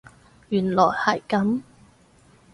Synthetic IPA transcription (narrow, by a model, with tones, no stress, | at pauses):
jyː˨˩nlɔː˨˩jhɐ˨˩jkɐ˨˥m